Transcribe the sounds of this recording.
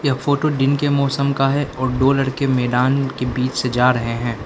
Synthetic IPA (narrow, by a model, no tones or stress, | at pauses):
jɐɦfoːʈoɖɪnkemɔːsəmkaɦɛʔɔːɾɖoːlɐɽkemɛːɖaːnkebiːt͡ʃsed͡ʒaːɾɐɦeɦɛ̃ː